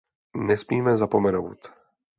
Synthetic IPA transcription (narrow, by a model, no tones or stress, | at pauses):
nɛsmiːmɛzapomɛno̰wt̪